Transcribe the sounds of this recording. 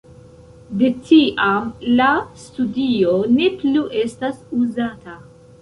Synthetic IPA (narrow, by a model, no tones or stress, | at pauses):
detiʔamlastudio̞ne̞pluʔe̞stasuzata